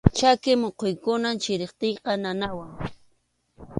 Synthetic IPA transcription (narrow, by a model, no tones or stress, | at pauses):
t͡ʃakɪmoqojkʊnamt͡ʃɪɾɪχt̪ejqɑnanawaŋ